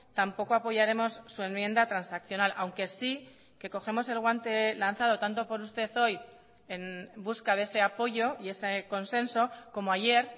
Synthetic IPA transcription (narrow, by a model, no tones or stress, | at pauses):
t̪ampo̞ko̞apo̞ʝaɾe̞mo̞sːue̞nmje̞nd̪at̪ɾansakθjonalʔawŋke̞si | ke̞ko̞xe̞mo̞se̞lɣwant̪e̞lanθað̞o̞t̪ant̪o̞po̞ɾust̪e̞θo̞j | e̞nbuskaðee̞se̞apo̞ʝo̞ie̞seko̞nse̞nso̞ko̞moaʝe̞ɾ